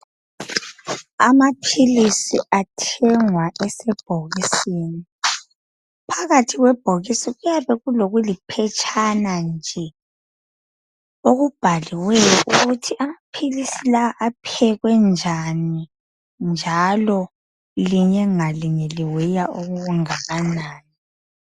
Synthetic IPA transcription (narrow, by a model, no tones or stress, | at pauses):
a̰mapʰilisiatʰɛŋwaʔɛsɛb̥̚ʱoɣisiːni | pʰaɣatʰiɣwɛb̥ʱoɣisiɣujaβɛɣuloɣulipʰɛt͡ʃʼʰanand͡ʒʱɛ | oɣub̥ʱaliwɛjɔʔuɣutʰiʔamapʰilisilaaʔapʰɛɣwɛnd͡ʒʱani | nd͡ʒʱalɔ | liɲɛŋaliɲɛliwɛjaoɣuɣuŋaɣanaːnɛ